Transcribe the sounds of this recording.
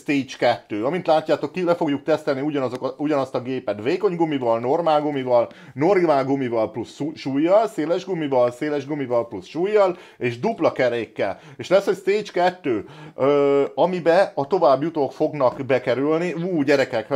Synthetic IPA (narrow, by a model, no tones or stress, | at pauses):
st̪eːt͡ʃkɛt̪ːøːɒmint̪laːcːaːt̪o̞kːilɛfo̞ɡjuk̚t̪ɛst̪ɛlniuɟɒnɒzokuɟɒnɒst̪ɒɡeːpɛt̪veːko̞ɲɡomivɒlno̞rmaːlɡomivɒl | no̞raːlɡomivɒlplusʃuːjːɒlseːlɛʒɡomivɒlseːlɛʒɡomivɒlplusʃuːjːɒl | eːʒd̪uplɒkɛɾeːkːɛ̰l | eːʃlɛsho̞cst̪eːt͡ʃkɛt̪ːøːøɒmibɛɒt̪o̞vaːbːjut̪okfo̞ɡnɒkbɛkɛɾylniuːɟɛɾɛkɛk